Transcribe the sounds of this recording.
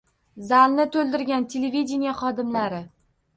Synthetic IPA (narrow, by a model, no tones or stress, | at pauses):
zalnɪt̪ʰolˠd̪ɪɾɡʲant̪ʰe̞levid̪ʲenijaχɒd̪ɪmlaɾɪ